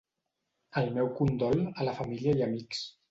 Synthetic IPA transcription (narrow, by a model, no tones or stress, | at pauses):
əlˠmɛwkund̪ɔlələfəmiliəjəmiks